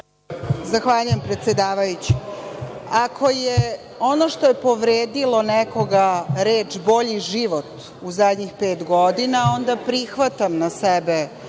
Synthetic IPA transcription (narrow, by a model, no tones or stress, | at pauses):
zaxʋaʎujempɾet̪sjed̪aːʋajut͡ɕi̥ | akʰo̞je | o̞noʃt̪ojepo̞ʋɾeːd̪ilo̞nɛko̞ɡaɾeːt͡ʃbo̞ʎiʒiʋo̞t̪ | uzad̪ʲɲixpe̞ːt̪ɡo̞d̪inao̞nd̪apɾixʋat̪amnasɛbe